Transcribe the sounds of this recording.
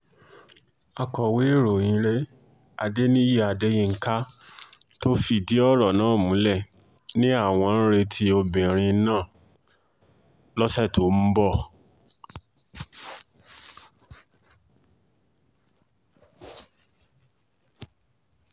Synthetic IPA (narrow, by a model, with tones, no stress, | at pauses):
a˧kɔ˨we˨˦˨ɾo˨jĩ˧˦ɾe˦ | a˧de˦nĩ˦ji˦a˧de˦jĩ˦˧ŋ̩˨˦ka˦ | to˦fi˧˨di˦ɔ˦ɾɔ˨nãː˨˦˨mũ˨˦lɛ˦˨ | nĩ˦a˦˨w̃ɔ̃˧ñ̩˦ɾe˧tʰi˧˦o˧bĩ˨ɾ̃ĩ˧˦nãː˦˨ | lɔ˦sɛ˦˨to˨˦m̩˦bɔ˦˨